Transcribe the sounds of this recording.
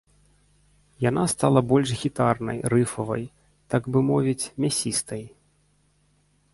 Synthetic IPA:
janast̪alˠɐbɔlʲʂɣʲit̪arnɐ̰jɾɨfɐvɐ̰j | t̪aɡbɨmɔvʲit͡sʲmʲasʲist̪ɐj

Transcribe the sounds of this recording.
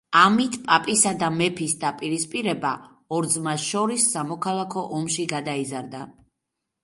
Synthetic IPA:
amit̪ʰpʼapʼisad̪amɛpʰisd̪apʼiɾispʼiɾɛba̰ | ɔɾd̪zmasʃɔɾisːamɔkʰalˠakʰɔʔɔmʃiɡad̪aizaɾd̪a

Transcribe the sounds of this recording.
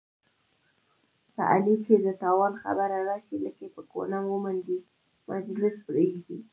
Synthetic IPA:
pa̰ʔa̰lit͡ʃed̪ət̪ɑwɑnxa̰baɾaɾɑʃiləkepəko̰namwəmand̪i | mʔa̰d͡ʒlɪspɾeʒd̪i

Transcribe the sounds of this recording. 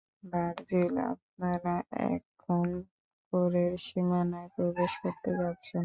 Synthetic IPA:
baɾd͡ʑila̰p̚naɾaɛ̰kʰon | koɾeɾʃimanaepɾobeʃkoɾt̪epatːɕʰen

